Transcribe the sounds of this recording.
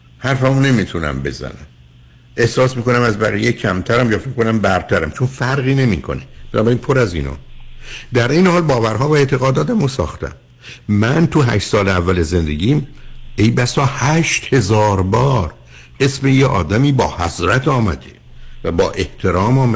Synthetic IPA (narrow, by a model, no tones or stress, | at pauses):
hæɾfæmone̞mit̪ʰunæ̰mbe̞̰zæ̰næ̰m | e̞hsɒːsmiːko̞næmæzbæʁijecʰæmt̪ʰæɾæmjɒːfekkːonæmbæɾt̪ʰæɾæmt͡ʃʰonfæɾɣiːne̞mḭːkʰo̞̰neb̥enɒːbæɾiːnpʰo̞ɾæzḭːnɒ̰ːd̪æɾʔejnehɒːlbɒːvæɾɦɒːvæeːt̪ʰe̞ɣɒːd̪ɒːd̪æmosɒ̰ːxt̪ʰæ̰m | mænt̪ʰuɦæ̰ʃt̪sɒːleævːæleze̞nd̪e̞ɟʲiːmejbæsɒːhæʃt̪he̞zɒːɾbɒːɾ | e̞smejeʔɒ̰ːd̪æmiːbɒːhæzɾæt̪ʰɒːmæ̰d̪e | væbɒːʔe̞ht̪ʰe̞ɾɒːmɒːmæ